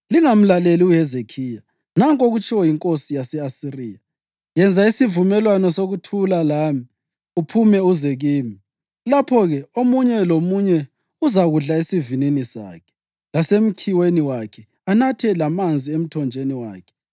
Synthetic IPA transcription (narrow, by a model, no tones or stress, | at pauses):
liŋam̩laleliuhɛzekʰiːja | naŋkʼoɣut͡ʃʰʼiwɔjiŋkʼosijasɛasiriːja | jɛnd͡zʱaisivumɛlwanɔsoɣutʰulalami | upʰumɛuzɛɣiːmi | lapʰɔɣɛomuɲɛlomuɲɛ | uzaɣuɮaisivininisa̰ːkʰɛ̥ | lasem̩kʰiweniwakʰɛ | anatʰɛlamand͡zʱiem̩tʰɔnd͡ʒʱeniwa̰ːkʰɛ̥